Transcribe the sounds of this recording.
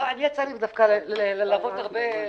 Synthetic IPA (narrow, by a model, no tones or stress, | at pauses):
anijat͡salimd̪afkallellavot̪haʁbe